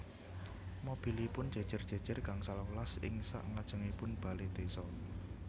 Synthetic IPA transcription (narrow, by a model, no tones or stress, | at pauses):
mob̥i̤lipʊnd̥ʒ̥a̤̥ʒ̥ə̤rdʒ̥a̤d̥ʒ̥ə̤rkaŋsalɔlasɪ̰ŋsa̰ʔŋad̥ʒ̥ə̤ŋipʊnb̥a̤led̪̥esɔ